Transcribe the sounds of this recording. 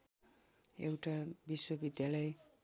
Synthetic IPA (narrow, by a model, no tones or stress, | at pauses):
ewʈabiswʌbid̪jalʌj